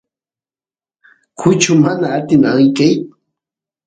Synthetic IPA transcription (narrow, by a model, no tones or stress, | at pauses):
kʰʊt͡ʃʊmanaːt̪ɪnaɢɪjkaj